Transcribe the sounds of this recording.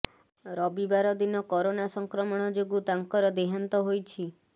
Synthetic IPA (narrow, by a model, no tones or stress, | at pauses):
ɾɔbibaɾɔd̪inɔkɔɾonasɔŋkɾɔmɔɽ̃ɔd͡ʒoɡut̪aŋkɔɾɔd̪eɦant̪ɔɦojt͡ʃʰi